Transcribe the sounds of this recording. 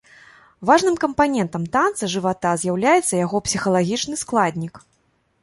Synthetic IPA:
vaʐnɨmkɐmpanʲɛnt̪ɐmt̪ant̪sɐʐɨvat̪azʲjawlʲajɛt̪sːɐjaɣɔpsʲixɐlˠaɣʲit͡ʂnɨsklˠad̪ʲnʲik

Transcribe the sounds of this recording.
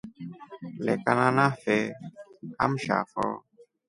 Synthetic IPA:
lɛkanãnãfe | am̩ʃa̰fɔ̰

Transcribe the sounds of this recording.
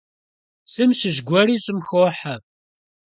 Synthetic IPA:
sɨmɕɪʒɡʷɔriːɕʼɪmxoħa

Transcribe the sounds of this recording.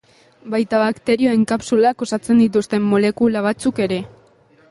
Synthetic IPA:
bajt̪aβakt̪e̞ɾio̞e̞ŋkapsulako̞sat͡se̞nd̪it̪̬ust̪e̞mːo̞le̞kulaβ̞at͡suke̞ɾe̞

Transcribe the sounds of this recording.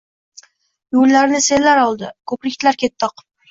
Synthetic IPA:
jolːaɾnɪse̞lːaɾɒlˠd̪ɪkʰɵpɾɪkʲt̪ʰlaɾkʲʰe̞t̪ːɒq

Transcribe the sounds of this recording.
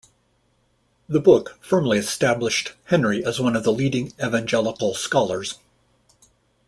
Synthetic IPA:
ðɨbʊkfɜ̃˞mliɨstæblɨʃt̚hɛ̃nɹiʔɨzwʌ̃nʌvðəliɾɪ̃ŋɛvæ̃nd͡ʒɛlˠəkl̩ˠskɑlˠə˞z̥

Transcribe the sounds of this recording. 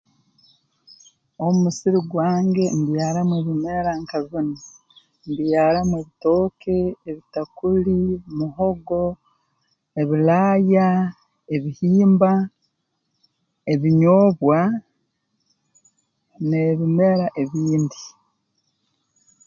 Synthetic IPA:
omumusiɾiɡwaːŋɡe̞mbjaːɾamwe̞βime̞ɾaŋkazuni | mbjaːɾamwe̞ːβito̞ːkʰeːβitakulimuɦo̞ɡo̞ | e̞βilaːja | eβihiːmba | e̞βiɲoːβwa | ne̞βime̞ɾaʔe̞βiːndi

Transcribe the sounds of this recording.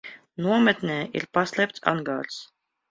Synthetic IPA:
nuɔmɛt̪nʲɛːḭɾpaslʲˠɛpt̪sa̰ŋɡaːɾs

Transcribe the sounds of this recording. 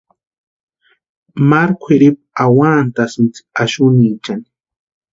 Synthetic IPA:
maɾkʷʰeɾip̚ | awaːnt̪asɪnt͡si̥aʃʊnit͡ʃani̥

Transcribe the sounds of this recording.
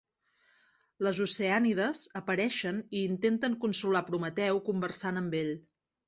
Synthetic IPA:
ləzuseaniðəzəpəɾɛʃəniːnt̪ent̪əŋkunsulapɾumət̪ɛwkumbərsanəmbeʎ

